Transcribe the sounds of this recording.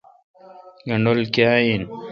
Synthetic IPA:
ɡɐɳɖolkaːjin

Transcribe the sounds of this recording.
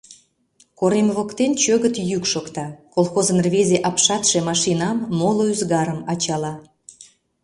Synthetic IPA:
koɾemβokt̪ent͡ɕøɣət̪jykʃokt̪ɑkolˠxozənrβezeʔɑpʃɑt̪ʃemɑʃinɑmːoloyzɣɑɾəmɑt͡ɕɑlɑ

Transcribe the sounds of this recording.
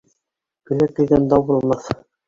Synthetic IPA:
kɵ̆læk̪̚ĭɡænd̪ɑbŭlˠmɑθ

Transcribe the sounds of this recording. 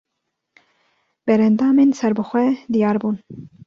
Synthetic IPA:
b̥ɛɾɛnd̪ɑːmensɛɾbɨxʷɛd̪ijɑːɾbuːn

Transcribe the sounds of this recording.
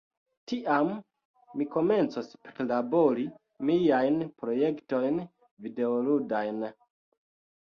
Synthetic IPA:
tiʔamː | iko̞me̞nt͡sospeɾlabo̞ɾi | miajnpɾo̞je̞kto̞jn | vide̞oludajn

